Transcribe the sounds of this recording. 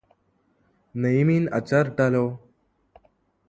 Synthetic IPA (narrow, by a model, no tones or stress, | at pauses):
nəjmiːnə̰t͡ɕəɾʈalo